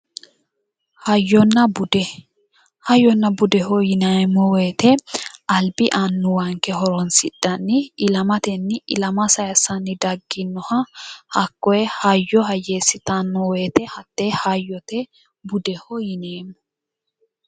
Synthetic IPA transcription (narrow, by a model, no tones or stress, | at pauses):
hɐjːɔnːɐbd | hɐjːɔnːɐbʊd̪ɛhɔjɪnamːɔweːt̪ɛɐlbɪʔanːʊwɐŋkːɛɦɔɾɔnsɪd̪ːɐnːɪɪlɐmɐt̪ɛnːɪʔɪ̰lɐmɐsɐjɐsɐnːɪd̪ɐɡːɪnːɔhɐhɐkːɔjɛhɐjːɔɦɐjːeːsːɪt̪anːɔweːt̪ɛhɐt̪ːehɐjːɔt̪ɛ | bʊd̪ɛhɔjɪneːmːɔ